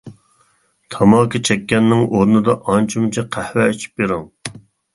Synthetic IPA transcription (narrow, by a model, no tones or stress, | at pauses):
t̪ʰɑmɑːkit͡ʃʰɛkʲːɛnːɪŋʔoɾnɨd̪ɑʔɑnt͡ʃʰumt͡ʃʰɛqʰæhwɛet͡ʃʰi̥p̚jeɾuŋ